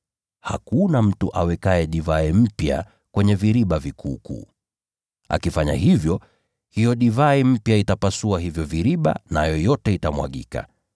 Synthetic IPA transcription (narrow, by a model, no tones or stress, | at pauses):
ha̰kunam̩tuʔawɛkaɛɗivaim̩pja̰ | kwɛɲɛviɾiɓavikʰuːkṵː | a̰kifaɲa̰ɦivjɔ | hijɔɗivaim̩pjaitapasuaɦivjɔviɾiɓa̰najɔjɔtɛitamwa̰ɠḭka̰